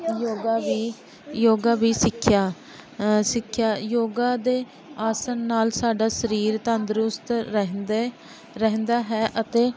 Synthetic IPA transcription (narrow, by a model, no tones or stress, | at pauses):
joːɡaːʋiː | joːɡaːbiːsɪkʰːjaː | sɪkʰːjaːjoːɡaːd̪eː | aːsənːaːlsaːɖaːsəɾiːɾt̪ənd̪ɾʊst̪ɦd̪ | ɾəɦnd̪aːɦɛːʔət̪eː